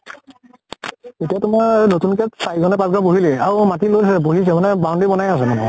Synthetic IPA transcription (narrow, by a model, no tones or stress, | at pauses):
etijatʊmaɹnotunkɛtsajɡʱɔnɛpasɡɹaboɦilɛaɹumatilojsɛboɦis̬ɛmanɛbandibɔnajas̬ɛnamɔ̰